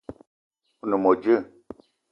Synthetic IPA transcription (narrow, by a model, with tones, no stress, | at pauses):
u˦nu˨mɔ˨d͡ʒə˦˨